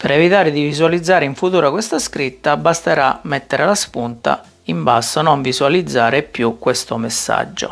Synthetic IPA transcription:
peɾɛvit̪aːɾɪd̪ivizualid̪zːaːɾeiɱfut̪uːɾakwest̪askɾit̪ːabast̪eɾamːɛt̪ːeɾelaspunt̪a̰ | imbasːonoɱvizualid̪zːaːɾepjukːwest̪omesːa̰d͡ʒːo̰

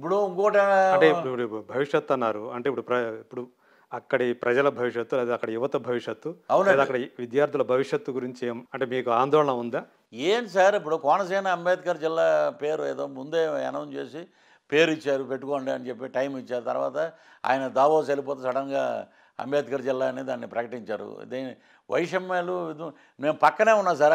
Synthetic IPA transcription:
ip̬ːuɽuuŋkoːʈɐɐɳʈeipːuɽibʱɐʋiʂjɐt̪ːɐnːaːɾuɐɳʈeːipːuɽupɾɐipːuɽu | ɐkːɐɽipɾɐd͡ʒɐlɐbʱɐʋiʂjɐt̪ːuleːd̪ɐkːɐɽɐjuʋɐt̪ɐbʱɐʋiʂjɐt̪ːuɐwnlaeːd̪ɐkːɐɽɐʋid̪jaːɾt̪ulɐbʱɐʋiʂjɐt̪ːuɡuɾiɲt͡ʃieːmɐɳʈeːmiːkuaːnd̪ɔːɭɐɳɐund̪aː | eːnsɐɾip̬ːuɽukɔːnɐsɛːnɐɐmbaːt̪ikɐɾd͡ʒilːaːpe̞ːɾueːd̪oːmund̪e̞ːɛ̰nɐʋɐmt͡ʃe̞̰ːsi | pe̞ːɾit͡ʃːaːɾupeʈːukoːɳɖiɐnt͡ʃe̞pːiʈɐjmit͡ʃːaːɾut̪ɐ̰ɾʋa̰ːt̪ɐ | a̰ːjɐnɐd̪aːʋoːs̬ɐlip̬oːt̪ɐsɐɽɐŋɡa̰ː | ɐ̰mbjaːd̪ikɐɾd͡ʒilːaːnid̪aːnːipɾɐkɐʈiɲt͡ʃaːɾṵd̪ini | ʋʔɐ̰jiʂɐmːɐːluid̪ | me̞ːmpɐkːɐne̞ːunːaːs̬aɾ

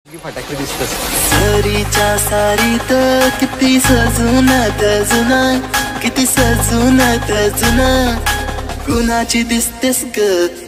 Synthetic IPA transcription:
sɐɾit͡ʃãːsaːɾit̪ɐkit̪isɐzunɐd̪ɐzunakit̪isɐzunɐd̪ɐzina | ɡunaːt͡ʃid̪ist̪eskɐ

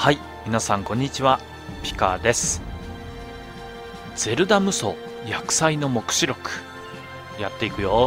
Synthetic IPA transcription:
hai | mʲinasãŋkõ̞ɲ̟ːit͡ɕiβa | pʲi̥ka̰d̪e̞sɨ̥ | d͡z̥e̞ɾɯ̟d̪amɯ̟so̞̰ | jakɯ̟̥saino̞mo̞kɯ̥ɕiɾo̞kɯ̥ | jat̪ːe̞ikɯ̟jo

